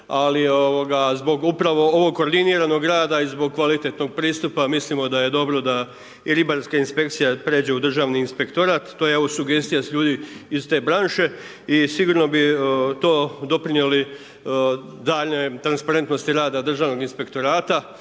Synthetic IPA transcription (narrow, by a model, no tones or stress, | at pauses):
alioʋoɡazbo̞ɡupɾaʋo̞o̞ʋo̞ɡ̚koːɾd̪iniɾano̞ɡɾaːd̪aizbo̞ɡ̚kʋalit̪e̞t̪no̞ɡ̚pɾiːst̪upamislimo̞d̪aje̞d̪o̞bɾo̞d̪a | iɾibaɾskainspe̞k̚t̪sijapɾe̞ːd͡ʑe̞ud̪r̩ʒaːʋniːnspe̞kt̪o̞ɾat̪ːojeoʋosuɡe̞st̪ijasʎuːd̪iist̪e̞ːbɾanʃe̞ | isiɡuːɾno̞bit̪o̞ːd̪o̞pɾinjeli | d̪aːʎne̞t̪ɾanspaɾe̞nt̪no̞st̪iɾaːd̪ad̪r̩ʒaːʋno̞ɡinspe̞kt̪o̞ɾaːt̪a